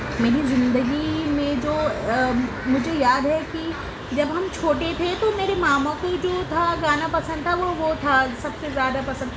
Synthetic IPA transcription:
meːɾizɪ̃nd̪əɡimẽd͡ʒoː | mʊd͡ʒʱejaːd̪ɦɛki | d͡ʒɐbɦɐmt͡ʃʰoːʈet̪ʰet̪omeːɾemaːmõkoid͡ʒoːt̪ʰaɡaːnapɐsə̃nd̪̚t̪ʰaʋoʋot̪ʰasɐbsezjaːd̪apɐsə̃nd̪

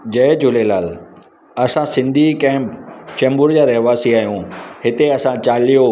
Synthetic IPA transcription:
d͡ʑɐd͡ʑʊlelaːl | ɐsãsɪ̃nd̪ʱikɐ̃ɦɪ̃t͡ɕɐ̃mbʊɾd͡ʑaːɾɐɦʋaːsiaːɦijũɦɪt̪eɐsãt͡ɕaːlijo

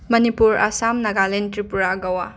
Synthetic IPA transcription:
mɐnipuɾasamnɐɡalentɾipuɾaɡɐwa

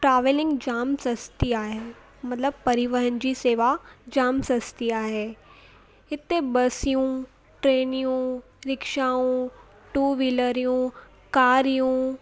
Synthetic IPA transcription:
ʈɾaːʋelɪ̃ŋɡd͡ʑaːmsɐst̪iaːɦe | mɐt̪ləb̚pɐɾɪʋəɾənɪ̆d͡ʑiseːʋad͡ʑaːmsɐst̪iaːɦeː | ɪt̪ebɐsijũ | ʈɾeːnijũ | ɾɪkʃaːũ | ʈuːʋiləɾijũ | kaːɾijũ

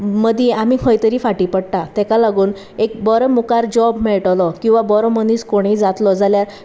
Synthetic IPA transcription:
məd̪ʱjeamiːkʰə̃jt̪əɾiːfaʈiːpəɽʈ̪at̪ɛkalaɡuːn | ek̚bɔɾəmukaɾd͡ʑɔbmɛɭʈlɔkĩw̃ʋabɔɾɔməniskoɽ̃id͡zat̪lɔd͡zaljaɾ

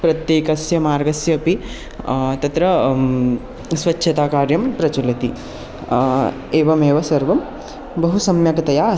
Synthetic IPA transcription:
pɾɐt̪jeːkɐsjɐmaːɾɡɐsjɐːpi | t̪ɐt̪ɾɐ | sʋɐtːʃʰɐt̪aːkaːɾjɐmpɾɐt͡ʃɐlɐt̪i | eːʋɐmeːʋɐsɐɾʋɐm | bɐɦusɐmjɐkɐt̪ɐjaː

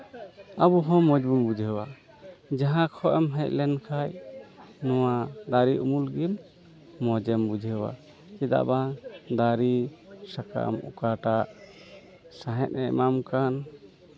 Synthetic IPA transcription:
abuɦɔ̃mɔd͡ʒbuɲbud͡ʒʱɛwa | d͡ʒaɦãkʰɔʔɛmɦɛc̚lɛnkʰaj | nɔwad̪aɾiʔumulɡil | mɔd͡ʒɛmbud͡ʒʱɛwa̰ | kɛd̪a̰ʔbad̪aɾisaka̰mṵkaʈaʔ | saɦɛt̪̚ɛmamkan

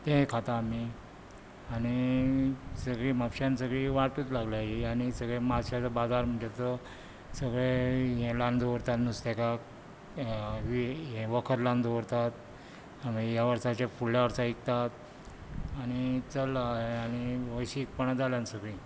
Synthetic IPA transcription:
t̪ẽɦkʰat̪aːmi | añi | səɡɭiːməpɕansəɡɭiːʋaʈuːt̪laɡlaɦiañisəɡɭemaɕjat͡sabad͡zaɾm̤əɳd͡ʑet̪ə | səɡɭeɦẽland̪ʱoʋəɾt̪at̪nust̪ekak | ʋiɦẽʋəkʰət̪lãnd̪oʋɾt̪at̪̚ | amijaʋəɾsat͡ɕafuɽljaʋəɾsaikt̪at̪ | aɽ̃it͡səlaeañiʋəjɕik̚pəɳ̃ad͡zaljãnsəɡɭi

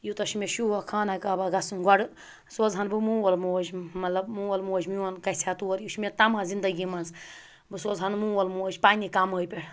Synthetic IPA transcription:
jut̪ɐʃmeʃuwɐkʰaːnakaːbaɡɐsɨnɡɔɽɨ | soːzɦɐnbɨmuːwɐlmoːd͡ʒmɐt̪lɐbmũːwɐlmoːd͡ʒmiwɐnkɐsʲat̪uɾjuʃmʲet̪ɐmãzind̪ɐɡimɐns | bɨsoːzɦɐnmũːwɐlmoːd͡ʒʲpaːnʲikaməːjpʲeɽ

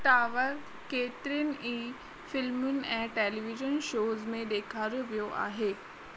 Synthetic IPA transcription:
ʈaːʋəɾ | keːt̪ɪɾijənɪ̆ʔiː | fɪlmʊnɪ̆ɛ̃ːʈeːliʋɪʒən̆ʃoːzmẽɗ̪eːkʰaːɾoʋijoʔa̰ːɦeː

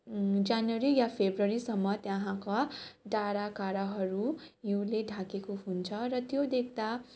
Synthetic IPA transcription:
d͡zanwʌɾijapʰebrʌɾisʌmːʌt̪jaɦãkaɖaɾakaɾʌɦʌɾujuũleɖʱakekoɦunt͡sʰʌɾʌt̪jod̪ekʰd̪a

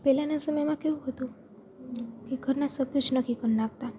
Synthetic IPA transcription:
pɛlanasəməjmãkeũɦət̪ũ | keɡʱəɾnasəbjod͡ʒnəkʰikənnãɡt̪a

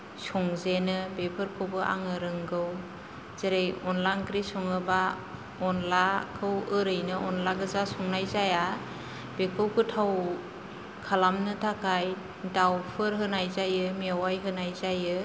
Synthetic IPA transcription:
sɔŋzenɯbepʰɯɾkʰobɯʔa̰ŋɯɾɯŋɡɯw | z̥eɾejɔnlankɾisɔŋɯba | ɔnlakʰɯwɯɾɯjnɯʔɔnlaɡɯzasɔŋnajzaja | b̥ekʰɯwkʰɯtʰaw | kʰalamnɯtʰakaj | dawpʰɯɾɦɯnajzajɯmiawajɦɯnajzajɯ

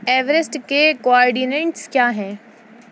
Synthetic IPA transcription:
ɛːʋəɾɪsʈkekoaːɾɖinẽɳʈskjaːɦɛ̃ː

